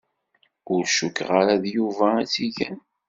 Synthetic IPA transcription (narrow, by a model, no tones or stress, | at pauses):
ʊɾʃukːʁaɾaðjuvæt͡sːiʝæn